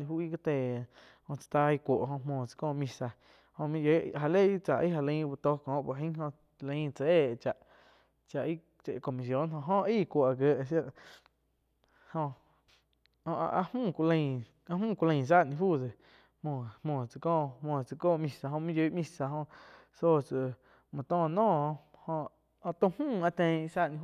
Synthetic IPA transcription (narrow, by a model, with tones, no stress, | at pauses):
nĩ˧huː˦i˦˧ka˦˧t̪eː˧˨ | hõ˧t͡sḁ˧t̪a˧i˧kʷo˨ʔɦõ˧mõː˧˨t͡sɨ̥˧kɔ̃ː˧˨mĩ˧sa˧ | hõ˧mĩ˦jo˧˦ɦa˧le˦˨˦t͡sa˨ʔi˦ɦa˧˨lə̃˧˦˧bu˧t̪o˧kɔ̃ː˨˦ʔpo˧˨ɦə̃˦ɦõ˧ | lə̃˧ĩ˦t͡sa˧eː˦˨t͡ʃa˨ʔ | t͡ʃa˨ʔi˦ | t͡ʃe˧˨˧ko˨mi˨s̬jõ˨˦nɦõ˧ɦõ˦iː˦˨kʷo˨ʔa˨ɡə˧ʔsja˦˧ʔ | hõ˧ | õ˧ʔʔa̰˧hũː˦˨kʷlə̃˧˨ | a˧mũː˦˨kʷu˧lə̃˧˨s̬a˦˨nĩ˧fu˦˨de˨ | hõ˧˨mõː˧˨t͡sɨ˧kɔ̃ː˦˧˨mõ˧˨t͡sɨ˧koː˦˧˨mĩ˧sa˧ɦõ˧mĩ˦ju˧˦ʔmĩ˧sa˧˨ɦõ˧ | so˦t͡sɨ˧˨ | mɔ̃˨t̪ɔ̃ː˦˧˨nɔ̃ː˦˨˧hõ˧ʔ | t̪ũ˧hmũː˦˨a˧t̪ẽ˧saː˦ʔnĩ˧